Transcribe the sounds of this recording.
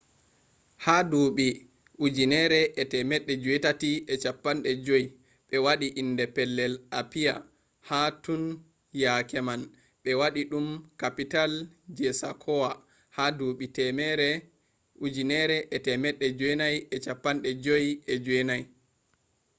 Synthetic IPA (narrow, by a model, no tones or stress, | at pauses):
haduɓi | ʔud͡ʒinɛɾɛʔːtɛmɛɗːɛd͡ʒuɛtatiʔɛt͡ʃapːanɗɛd͡ʒoj | ɓɛwaɗiʔindɛpɛlːɛlapija | hatun | jakɛman | ɓɛwaɗiɗumkapital | d͡ʒɛsakʰɔwa | haduɓitɛmɛɾɛ | ud͡ʒinɛɾɛʔɛtɛmɛɗːɛd͡ʒwɛnajɛt͡ʃapːanɗɛd͡ʒojɛd͡ʒɛnaj